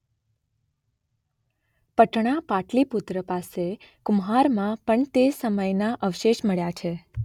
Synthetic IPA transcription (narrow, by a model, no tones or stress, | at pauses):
pəʈɳ̃apaʈliput̪ɾəpasekʊmɦaɾmãpəɳt̪esəməjnaʔəʋʃeʃməɭjat͡ʃʰe